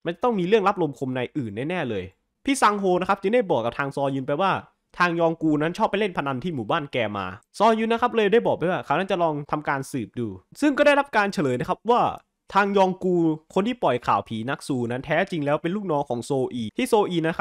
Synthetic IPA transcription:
ma˧nt͡ɕa˨˩t̪ɔ˥˩ŋmiː˧ɾɯ˥˩əŋla˦˥p̚lo˧mkʰo˧mna˧jʔɯː˨˩nːaː˥˩nɛː˥˩lɤː˧j | pʰiː˥˩sa˧ŋɦoː˧na˦˥kʰa˦˥p̚t͡ɕɯ˧ŋda˥˩jbɔː˨˩k̚ːa˨˩p̚t̪ʰaː˧ŋsɔː˧jɯ˧npa˧jwaː˥˩ | t̪ʰaː˧ŋjɔː˧ŋkuː˧na˦˥nt͡ɕʰɔː˥˩pːa˧jle˥˩npʰa˧na˧nt̪ʰiː˥˩muː˨˩˦baː˥˩nkɛː˧ma̰ː˧sɔː˧jɯː˧nːa˦˥kʰa˦˥p̚lɤː˧jdaː˥˩jbɔː˨˩k̚a˧jwaː˥˩kʰaː˨˦wna˦˥t͡ɕa˨˩lɔː˧ŋt̪ʰa˧mkaː˧nsɯː˨˩p̚duː˧sɯ˥˩ŋkɔː˥˩da˥˩jɾla˦˥p̚kaː˧nt͡ɕʰa˧lɤː˨˦na˦˥˩kʰa˦˥p̚waː˥˩ | t̪ʰaː˧ŋjɔː˧ŋkuː˧kʰo˧nt̪ʰiː˥˩pɔ˨˩jkʰa̰ː˨˩wpʰiː˩˦na˦˥k̚suː˧na˦˥nt̪ʰɛː˦˥t͡ɕi˧ŋlɛː˦˥wpe˧nluː˥˩k̚nɔː˦˥ŋkʰɔː˩˦ŋsoː˧ʔiː˧t̪ʰiː˥˩soː˧ʔiː˧na˦˥kʰa˦˥

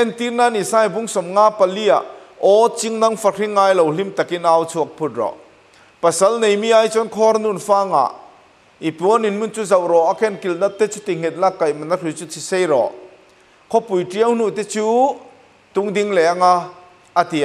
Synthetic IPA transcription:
ʔɛ˦˨nt̪i˦rna˧˨ni˨saː˦jbu˦ŋsɔ˨mŋa˦pɐ˨li˦˥a̰˨ʔɔ˦t͡si˥ŋnɐ˦ŋfa˧rʰi˦ŋːaː˧jlo˨wli˦mt̪ɐ˨ki˦na˧wt͡sʰu˧˩ɐk̚pʰu˦t̪̚rɔ̰˨ | pɐ˨sɐ˦lne˨jmi˦ʔa˦jt͡sɔ˦nkʰɔ˦ɾnu˨nfaː˦ŋa̰˨ʔ | ʔi˨pu˨˦ɔ˦ni˨nmu˦nt͡su˦zɐ˨wɾɔ˨a˨kʰɛ˦˨nki˨lna˦p̚t̪ɛ˦t͡su˦t̪i˨ŋ̥ɛ˨t̪̚na˦kːa˨jmɐ˨na˦rʰi˨t͡su˦tʰi˨se˦jɾɔ̰˨ | kʰɔ˦pu˨jʈi˦ə˦wn̥u˦˨t̪ɛ˦t͡suː˦ | t̪ʊ˦ŋdi˧ŋlɛ˨ʔa˦ŋa˧ | a˨t̪i˨

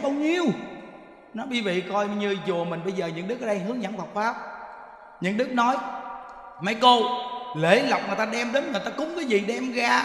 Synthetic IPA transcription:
ɓaː˧wɲi˧əw | nɔ˨˦ɓi˧vḭ˧˨kɔ˧jɲɨ˧zu˨˩əmï˨˩ŋ̟ɓə˧jzəː˨˩ɲɨ̰˧˥ŋɗɨ˦˥k̚ə˧ɗə˧jɦɨ˨˦əŋza̰˧˥nva˨˩k͡p̚faː˦˥p̚ | ɲɨ̰˧˥ŋɗɨ˦˥k̚nɔ˨˦j | ma˨˧˦jko˧le˧˩˦la˨˩wk͡p̚ŋɨ˨˩jt̪aː˧ɗɛ˧mɗe˨˦nŋɨ˨˩əjt̪aː˧kʊ˨˦ŋ͡mkaː˨˦zḭ˨˩ɗɛ˧mɣaː˧

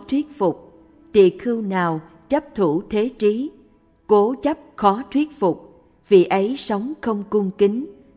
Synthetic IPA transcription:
t̪ʰwi˦˥ət̚fʊ˨˩k͡p̚ | t̪ḭ˧˨xɨ˧wnaː˨˩w | t͡ɕə˦˥p̚t̪ʰu˧˩t̪ʰe˨˦t͡ɕi˨˦ | ko˨˦t͡ɕə˦˥p̚xɔ˨˦t̪ʰwi˦˥ət̚fʊ˨˩k͡p̚ | vḭ˧˨ʔə˨˦jsə˨˦wŋ͡mxə˧wŋ͡mkʊ˧ŋ͡mki˨˦ŋ

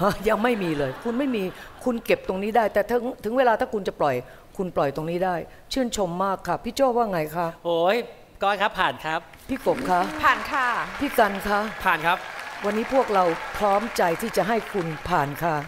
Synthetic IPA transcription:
ʔa˦˩ja˧ŋma˥˩jmiː˧lɤː˧jkʰu˧nma˥˩jmiː˧kʰu˧nke˨˩p̚t̪o˧ŋniː˦˥daː˥˩jt̪ɛː˨˩t̪ʰɯ˩˦ŋt̪ʰɯ˨˩˦ŋweː˧laː˧t̪ʰaː˥˩kʰu˧nt͡ɕa˨˩plɔ˨˩j | kʰu˧nplɔ˨˩jt̪o˧ŋniː˦˥daː˥˩j | t͡ɕʰɯ˥˩ənt͡ɕʰo˧mːaː˥˩kʰːa˦˥˩pʰiː˥˩t͡ɕɔː˥˩waː˥˩ŋa˧jkʰa˦˥ʔhoː˨˩˦j | kɔː˧˥˩nkʰa˦˥pʰːaː˨˩nkʰɾa˦˥p̚pʰiː˥˩ko˨˩p̚kʰa˦˥ʔpʰaː˨˩nkʰaː˥˩pʰiː˥˩ka˧nkʰa˦˥ʔpʰaː˨˩nkʰa˦˥p̚wa˧nːiː˦˥pʰu˥˩ək̚ɾa˧wpʰɾɔː˦˥mt͡ɕa˧jt̪ʰiː˥˩t͡ɕa˨˩ɦa˥˩jkʰu˧npʰaː˨˩nkʰa˥˩ʔ

